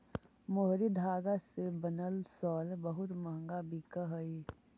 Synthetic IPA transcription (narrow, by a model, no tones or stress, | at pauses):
moɦɾid̪ʱaːɡasebənəlsɔːlbəɦʊt̪məɦŋɡabʱikəɦəi